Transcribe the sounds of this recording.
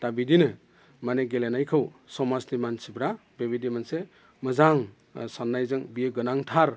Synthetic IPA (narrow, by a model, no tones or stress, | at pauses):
tabidinɯ | maneɡelenajkʰɯwsɔmasdimansibɾa | bebidimanse | mɯzaŋ | sanːajzɯŋbijeɡɯnaŋtʰaɾ